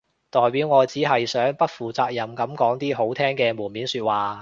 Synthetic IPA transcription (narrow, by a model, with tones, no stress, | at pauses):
t̪ɔː˨jpiː˨˥wŋɔː˨˧t͡siː˨˥ɦɐ˨jsœː˨˥ŋpɐ˥t̚fuː˨t͡saː˧k̚jɐ˨mkɐ˨˥mkɔː˨˥ŋt̪iː˥ɦo˨˥wt̪ʰɛː˥ŋkɛː˧muː˨˩nmiː˨˥nsyː˧t̚waː˨˩